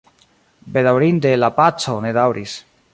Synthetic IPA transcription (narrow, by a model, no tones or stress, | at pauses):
be̞dawɾindelapat͡so̞ne̞dawɾʔis